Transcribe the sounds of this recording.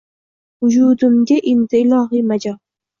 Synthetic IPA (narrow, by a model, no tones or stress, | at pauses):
ʊd͡ʒud̪ɪmɡʲaʔend̪ɪɪlˠɒɦimad͡ʒɒ